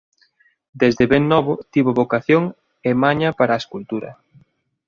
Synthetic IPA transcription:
d̪ezd̪eβeŋnɔβʊt̪iβoβokaθjoŋ | emaɲɐpaɾaeskult̪uɾɐ̰

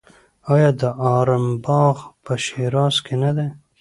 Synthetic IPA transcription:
ɑːjɑːd̪əʔɑːɾəmbɑːɣpəʃeɾɑːskenad̪e

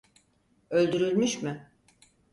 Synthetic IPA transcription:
ø̞lʲd̪yɾylʲmyʃmɪ

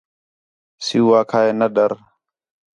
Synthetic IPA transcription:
sɪuːʋaːkʰaːeːnəɗəɾ

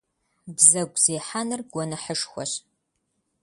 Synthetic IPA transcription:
bzɐɡʷʼz̥eːħanɨrɡ̥ʷɔnɨħəʂxʷɔ̰ɕ

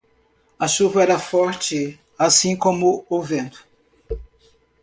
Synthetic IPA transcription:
ɐʃuvɐɛɾɐfɔɾt͡ʃɪ | asĩkõmʊʊvẽnt̪ʊ̥

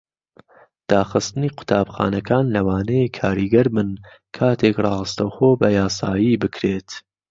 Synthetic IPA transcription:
d̪̥aːxɨst̪ɨniːqʊ̥t̪ʰaːbxa̰ːnɐkʰaːnlɐwaːnɛjekʰaːɾiɡɐɾmɨn | kʰaːt̪ʰekrɑːhɨst̪ɐwxoːbɐjaːsaːjiːbɨkʰɾeːt̪

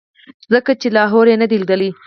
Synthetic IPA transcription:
zəkat͡ʃelɑɦoɾjenəd̪ild̪əli

